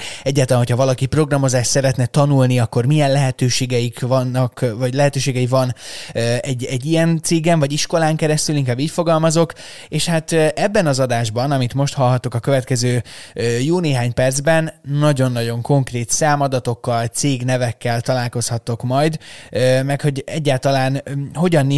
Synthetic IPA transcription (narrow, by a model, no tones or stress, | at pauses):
ɛɟːaːt̪ɒlanɦocʰhɒvɒlɒkipro̞ɡrɒmo̞zaːʃt̪sɛɾɛt̪nɛt̪ɒnulniɒkːo̞rmijɛnlɛɦɛt̪øːʃeːɡɛjikvɒnːɒkvɒɟlɛɦɛt̪øːʃeːɡɛivɒnøɛɟːɛɟːijɛnt̪seːɡɛɱvɒɟiʃko̞laːŋkɛɾɛst̪yliŋkaːbːiːcfo̞ɡɒlmɒzo̞keːʃhat̪ʔɛbːɛnɒzɒd̪aːʒbɒnɒmit̪mo̞ʃt̪hɒlɦɒt̪okɒkø̞vɛt̪kɛzøːjuːlneːɦaːɲpɛrd̪zbɛnnɒɟo̞nːɒɟo̞ŋko̞ŋkreːt̪saːmɒd̪ɒt̪o̞kːɒlt̪seːɡnɛvɛkːɛlt̪ɒlaːlko̞shɒt̪ːo̞kmɒjd̪ømɛkho̞ɟɛɟːaːlt̪ɒlaːnɦo̞ɟɒnː